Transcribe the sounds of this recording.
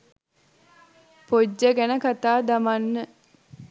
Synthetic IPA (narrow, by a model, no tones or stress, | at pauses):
pod͡ʒːəɡænəkat̪aːd̪amanːə